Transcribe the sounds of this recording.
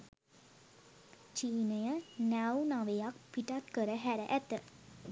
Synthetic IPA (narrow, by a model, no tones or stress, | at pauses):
t͡ʃiːnəjənæwnaʋejak̚piʈat̪kəɾəɦæɾə̰ʔæt̪ə